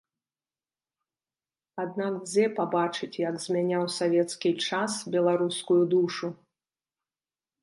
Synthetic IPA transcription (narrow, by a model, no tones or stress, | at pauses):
ad̪̚nakd͡zʲɛpabat͡ʂɨt͡sʲjɐɡzʲmʲanʲawsavʲɛt̪skʲit͡ʂasbʲɛlˠaɾuskujud̪uʂu